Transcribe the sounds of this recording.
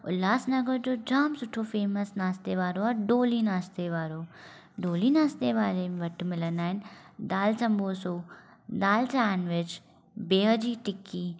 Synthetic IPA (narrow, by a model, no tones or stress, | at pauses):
ʊ̰laːsnɐɡəɾd͡ʑoːd͡ʒaːmsʊʈʰofeːməsnaːst̪eʋaːɾoɔːɾɖoːlinaːst̪eʋaːɾo | ɖoːlinaːst̪eʋaːlẽʋɐʈmɪlənd̪aːɦɪnd̪aːlsɐmbʱoːsoː | d̪aːlt͡ɕaːnʋɪd͡ʒ | beːɦəd͡ʑiːʈɪkːiː